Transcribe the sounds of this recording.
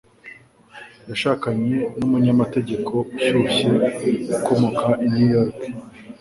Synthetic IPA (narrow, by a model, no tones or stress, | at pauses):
jaʃakaɲe̞numuɲamate̞ɟe̞kʰo̞uçuçeɡukʰo̞mo̞kʰaʔinijoɾke